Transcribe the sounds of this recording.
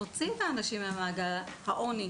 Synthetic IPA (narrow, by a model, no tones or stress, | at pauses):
ot͡siet̪aːnaʃimamaːɡalhaʔo̞ni